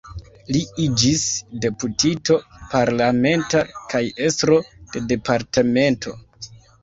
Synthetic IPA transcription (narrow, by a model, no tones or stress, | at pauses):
liid͡ʒisde̞putito̞paɾlame̞ntakaje̞stɾo̞d̥e̞de̞paɾteme̞ntʰo̞̰